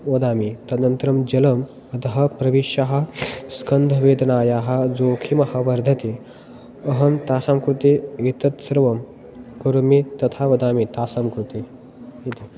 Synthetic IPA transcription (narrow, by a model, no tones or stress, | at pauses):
ʋɐd̪aːmit̪ɐnɐnt̪ɾɐmd͡ʒɐlɐm | ɐd̪ɐɦɐpɾɐʋiʃjɐɦɐ̆skɐnd̪ʱɐʋeːd̪ɐnaːjaːɦɐ̆d͡zoːkʰimɐhɐ̆ʋɐɾd̪ʱɐt̪i | ɐɦɐmt̪aːsaːmkɾut̪ieːt̪ɐt̪sɐɾʋɐm | kɐɾumit̪ɐt̪ʰaʋɐd̪aːmit̪aːsaːmkɾut̪i | it̪i